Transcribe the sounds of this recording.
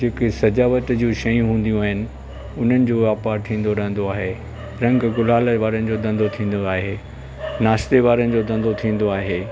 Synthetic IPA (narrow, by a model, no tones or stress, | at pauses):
d͡ʑeːkesɐd͡ʑaːʋət̪d͡ʑũʃɐjũɦũːn̆d̪ijũaːɦɪnɪ̆ | ʊn̤ənɪ̆d͡ʑoːʋaːpaːɾt̪ʰĩːn̆d̪oɾɐɦə̃n̆d̪oaːɦe | ɾɐ̃ŋɡɡʊlaːləʋaːɾənɪ̆d͡ʑoːd̪ɐ̃nd̪ot̪ʰĩːn̆d̪oaːɦeː | naːʃt̪eʋaːɾənɪ̆d͡ʑoːd̪ɐ̃n̆d̪ot̪ʰĩːn̆d̪oaːɦeː